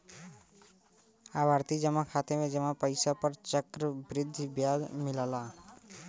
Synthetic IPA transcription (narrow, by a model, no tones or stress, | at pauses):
abʱaɾt̪id͡ʒəmãkʰat̪emẽd͡ʒəmãpəjsapəɾt͡ʃəkɾəbɾɪd̪ʱːbjad̪mɪlala